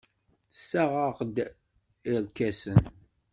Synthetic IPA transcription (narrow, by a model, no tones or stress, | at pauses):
θə̥sːæʁəqd̪ | ilkæsən